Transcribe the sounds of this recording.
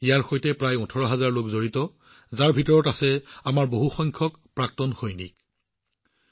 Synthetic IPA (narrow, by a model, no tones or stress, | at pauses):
ijaɹxojtɛpɹajutʰɔɹɔɦazaɹlokzoɹitɔ | zaɹbʱitɔɹɔtasɛamaɹboɦuxɔŋkʰɔk | pɹak̚tɔnxojnḭk̚